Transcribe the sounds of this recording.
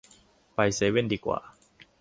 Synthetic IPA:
pa˧jse˨˦we˥˨ndiː˧kwa̰ː˨˩

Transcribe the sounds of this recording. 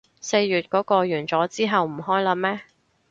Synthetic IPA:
se˧jːyː˨t̚kɔː˨˥kɔː˧ɥyː˨˩nt͡sɔː˨˥t͡siː˥ɦɐ˨wm̩˨˩ɦɔː˥jlɐː˨˧mɛː˥

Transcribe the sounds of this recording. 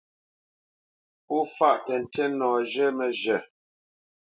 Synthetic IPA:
u˦fa˦ʔtɛ˨n̩˨tʰɛ˦nɔː˨d͡ʒɛ˦mɛ˨ʒɛ˨

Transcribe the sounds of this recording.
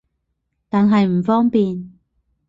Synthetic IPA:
t̪aː˨˧nɦɐ˨jm̩˨˩fɔː˥ŋpiː˨n

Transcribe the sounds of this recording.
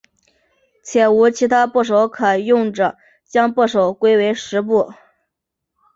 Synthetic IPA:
t͡ɕʰjɛ˨˩u˧˥t͡ɕʰi˧˥t̪ʰa˥pu˥˩ʂ̬o˧˥ʊkʰə˨˩jʊ˥˩ŋʈ͡ʂə˩ | t͡ɕjɑ˥ŋpu˥˩ʂo˨˩ʊkwe˥ɪwe˧˥ɪʂɻ̩˧˥pu˥˩

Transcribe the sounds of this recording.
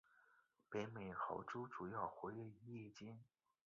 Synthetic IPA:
pe˧˥ɪme˨˩ɪxɑ̰˧˥ʊʈ͡ʂu˥ʈ͡ʂu˨˩jɑ˥˩ʊxwe˧˥ɪlɛ˥˧i˧˥jɛ˥˩t͡ɕjɛ˥n

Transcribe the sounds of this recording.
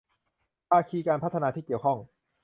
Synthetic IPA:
paː˧kʰiː˧kaː˧npʰa˦˥t̪ʰːa˧naː˧iː˥˩ki˨˩əwkʰɔ˥˩ŋ

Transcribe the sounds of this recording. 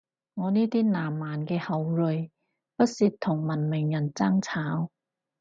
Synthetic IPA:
ŋɔː˨˧niː˥t̪iː˥naː˨˩mːaː˨˩nkɛː˧hɐ˨˧wlɵ˨˧j | pɐ˥t̚si˧t̚t̪ʰʊ˨˩ŋmɐ˨˩nmɪ˨˩ŋjɐ˨˩nt͡sa˥ŋt͡sʰaː˨˥w

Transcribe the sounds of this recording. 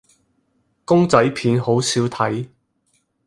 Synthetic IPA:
kʊ˥ŋt͡sɐ˨˥jpʰiː˨˥nɦo˨˥wsiː˨˥wt̪ʰɐ˨˥j

